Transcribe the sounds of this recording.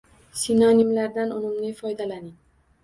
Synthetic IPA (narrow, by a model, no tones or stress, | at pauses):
sinɒnimlaɾd̪anʊmʊmnɪfɒjd̪alanɪŋ